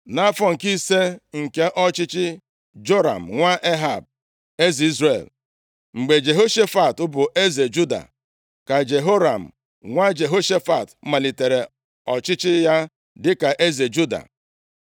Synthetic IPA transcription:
na˦fɔ˦˨ŋ̩˨ki˦se˦ŋ̩˨ke˦ʔɔ˦t͡ʃɪ˦t͡ʃɪ˦ | d͡ʒo˦ɾa̰˨m̩˨ŋʷa˦ʔe˦ɦa˨b̚ | e˦zi˨i˦zɾe˨l | ŋ͡m̩˨ɡ͡be˨d͡ʒe˨ɦo˦ʃe˦fa˨tʊ˦bʊ˨ʔe˦ze˨d͡ʒu˦da̰˨ | ka˨d͡ʒe˨ɦo˦ɾa˨m̩˨ | ŋʷa˦d͡ʒe˨ɦo˦ʃe˦fa˨tm̩˦ma˨li˨te˨ɾe˨ | ɔ˨t͡ʃɪ˦t͡ʃɪ˦ja˦ | dɪ˦ka˨ʔe˦ze˨d͡ʒu˦da̰˨

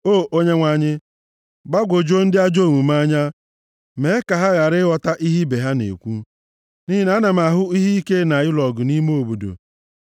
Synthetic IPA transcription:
oː˦˨o˦ɲe˦ŋʷa˨ɲɪ˦ | ba˦ɡʷo˨d͡ʒo˦n̩˦dɪ˦a˦d͡ʒo˦˨ŋu˨ma˦ɲa˦ | me˨˦ka˨ɦa˦ɣa˨ɾɪ˦wɔ˨ta˦ʔi˦ɦi˦be˨ɦa˦nḛ˨kʷu˦ | ni˦ɦɪ˦na˦na˨m˨a˨ɦʊ˦i˦ɦi˦i˦ke˦na˨ɪ˦lɔ˨ɡʊ˨ni˦mo˦˨bu˨do̰˨

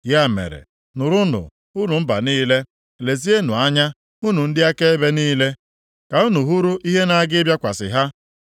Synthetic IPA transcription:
ja˦˨mḛ˨ɾḛ˨ | nʊ˨ɾʊ˦nʊ̰˨ | u˦nu˨m̩˦ba̰˨niː˦le˦ | le˨zi˦e˦nu˨a˦ɲa˦ | u˦nu˨n̩˦dɪ˦a˦ke˦e˦be˦niː˦le˦ | ka˨u˦nu˨ɦu˦ɾu˦ʔi˦ɦe˦na˦a˦ɡɪ˦bja˦kʷa˨sɪ̰˨ɦa˦

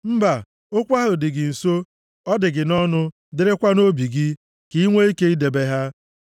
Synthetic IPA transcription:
m̩˦ba˨ | o˦kʷa˦ɦʊ˨dɪ˨ɡɪ˨n̩˨so˦ | ɔ˦dɪ˨ɡɪ˨nɔ˦nʊ˦ | dɪ˨ɾɪ˦kʷa˦no˦bi˨ɡɪ˦ | ki˨i˦ŋʷe˦i˦ke˦i˦de˨be˦ɦa˦

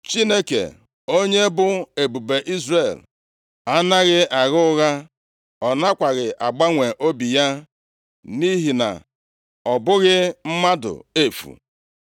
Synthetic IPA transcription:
t͡ʃi˦ne˦kḛ˨ | o˦ɲe˦bʊ˦e˨bu˨be˨ʔi˦zre˨l | a˦na˦ɣɪ˦ʔa˨ɣʊ˦ʊ˦ɣa˦ | ɔ˨na˦kʷa˨ɣɪ˨ʔa˨ɡ͡ba˦ŋʷe˨ʔo˦bi˨ja˦ | ni˦ɦi˨na̰˨ | ɔ˨bʊ˦ɣɪ˦m̩˦ma˦dʊ̰˨e˦fṵ˨

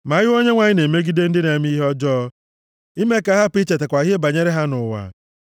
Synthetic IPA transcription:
ma˨˦ɣɪ˦o˦ɲe˦ŋʷa˨ɲɪ˦ne˨me˦ɡi˦de˦n̩˦dɪ˦ne˨˦m˦i˦ɦɔ˦d͡ʒɔː˦ | i˦me˦ka˨˦ɦa˦pi˦t͡ʃe˨t̬e˨kʷa˨˦ɦe˦ba˨ɲe˦ɾe˦ɦa˦nʊ˨wa̰˨

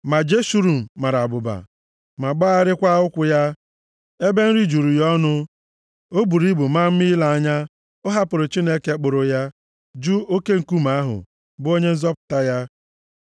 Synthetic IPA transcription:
ma˨d͡ʒe˦ʃu˦ɾu˨m̩˨ma˨ɾa˨bʊ˨ba̰˨ | ma˨ɡ͡ba˦a˦ɾɪ˦kʷa˦ʊ˦kʷʊ˨ja˦ | e˦be˦n̩˦ɾi˦d͡ʒu˨ɾu˨jɔ˦nʊ˦ | o˦bu˨ɾi˦bu˨ma˦m̩˦mi˦la˨a˦ɲa˦ | ʊ˦ɦa˦pʊ˨ɾʊ˨t͡ʃi˦ne˦ke˦k͡pʊ˨ɾʊ˨ja˦ | d͡ʒu˦o˦ke˦ŋ̩˨ku˦ma˦ɦʊ̰˨ | bʊ˦o˦ɲe˦n̩˦zɔ˦pʊ̥˨ta˦ja˦

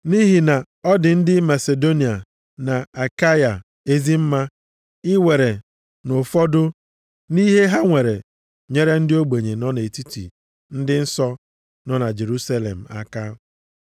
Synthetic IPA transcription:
ni˦ɦi˨na˨ | ɔ˦dɪ˨n̩˦dɪ˦ma˨se˨do˦ni˨a˨ | na˨a˨ka˦ja˨ | e˦zi˦m̩˦ma˦ | ɪ˦wʷe˨ɾe˨ | no˨fɔ˦dʊ˦ | ni˦ɦe˦ɦa˦ŋʷe˨ɾe˨ | ɲe˦ɾe˦n̩˦dɪ˦o˦ɡ͡be˨ɲe˨nɔ˦ne˨ti˦tḭ˨ | n̩˦dɪ˦n̩˦sɔ˦ | nɔ˦na˨d͡ʒe˨ɾu˦sa˦lḛ˨m̩˨a̰˦ka˦

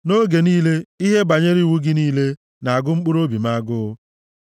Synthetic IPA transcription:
no˦ɡe˨niː˦le˦i˦ɦe˦ba˨ɲe˦ɾi˦˨wu˦ɡɪ˦niː˦le˦ | na˨a˨ɡʊ˦ŋ͡m̩˦k͡pu˦ɾo˦bi˨ma˦ɡʊ˦ʊ˦

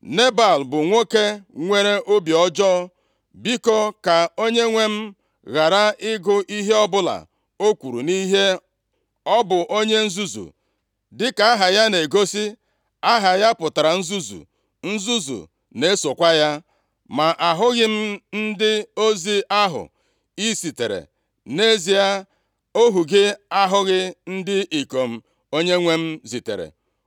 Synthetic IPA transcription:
ne˦ba˨lbʊ˨ŋʷo˦ke˦ŋʷe˦ɾe˦ʔo˦bjɔ˦d͡ʒɔː˦ | bi˦kɔ˦ka˨o˦ɲe˦ŋʷe˦m̩˦ | ɣa˨ɾa˦ɪ˦ɡʊ˦ʔi˦ɦe˦ɔ˦bʊ˦la̰˨ | o˦kʷu˨ɾṵ˨ni˦ɦe˦ | ɔ˦bʊ˨ʔo˦ɲe˦n̩˦zu˦zṵ˨ | dɪ˦ka˨a˦ɦa˨ja˦ne˨ɡo˦si˦ | a˦ɦa˨ja˦pʊ˨ta˨ɾa˨n̩˦zu˦zṵ˨ | n̩˦zu˦zṵ˨ | ne˦so˨kʷa˦ja˦ | ma˨ʔa˨ɦʊ˦ɣɪ˦m̩˦n̩˦dɪ˦o˦zi˦a˦ɦʊ̰˨ | i˦si˨te˨ɾḛ˨ | ne˦zi˨a˦ | o˦ɦu˨ɡɪ˦a˦ɦʊ˦ɣɪ˦n̩˦dɪ˦ʔi˨ko˨m̩˨ | o˦ɲe˦ŋʷe˦m̩˦zi˨tḛ˨ɾḛ˨

